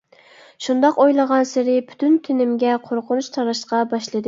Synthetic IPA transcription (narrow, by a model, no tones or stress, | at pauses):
ʃund̪ɑqojlˠəʁɑnsɪɾɪpʰy̥t̪ʰynt̪ʰɪnɪmɡʲɛqʰoɾqʰʊnuʃt̪ʰɑɾɑʃqɑbɑʃlˠɨd̪ɨ